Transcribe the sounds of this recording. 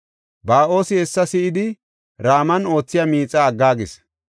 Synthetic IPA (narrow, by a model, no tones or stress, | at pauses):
baːʔo̞ːsɪhɛsːɐsɪʔɪd̪ɪ | ɾaːmɐno̞ːt͡sːɪjamiːt͡sʼːaːɡːaːɡɪs